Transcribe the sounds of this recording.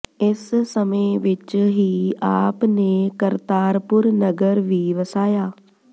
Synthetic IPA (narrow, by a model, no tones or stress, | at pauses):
ɪssəmẽːʋɪt͡ʃɦiːaːpneːkəɾt̪aːɾpʊɾnəɡəɾʋiːʋəsaːjaː